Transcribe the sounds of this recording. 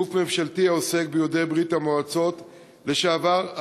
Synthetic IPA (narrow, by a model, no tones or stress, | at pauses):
ufme̞mʃaltiaose̞k̚bejodejbʁithamoat͡so̞t | le̞ʃaːvaʁa